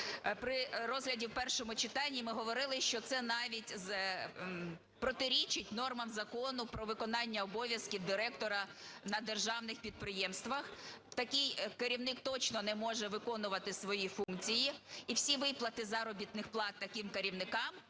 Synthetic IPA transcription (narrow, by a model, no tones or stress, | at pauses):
pɾɪɾɔzɦlʲɐdʲiwpɛrʃɔmʊt͡ʃɪt̪ɑnʲːimɪɦɔʋɔɾɪlˠɪʃt͡ʃɔt̪sɛnɑʋʲitʲz | pɾɔt̪ɪɾʲit͡ʃɪtʲnɔrmɐmzɐkɔnʊpɾɔʋɪkɔnɑnʲːɐɔbɔʋʲjɐskʲiwd̪ɪɾɛkt̪ɔɾɐnɐd̪erʒɑwnɪxpʲid̪̚pɾɪjɛmst̪ʋɐxt̪ɐkʲɪjkɐɾʲiwnɪk̚t̪ɔt͡ʃnɔnɛmɔʒɛʋɪkɔnʊʋɐt̪ɪsʋɔjifuŋkt͡sʲijiiwsʲiʋɪplˠɐt̪ɪzɐɾɔbʲit̪nɪxplˠɑt̪ːɐkɪmkɐɾʲiwnɪkɑm